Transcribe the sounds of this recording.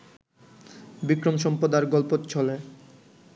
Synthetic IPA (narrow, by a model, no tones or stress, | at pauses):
bikɾomʃɔmpɾod̪aɾɡɔlpot̪t͡ɕʰɔle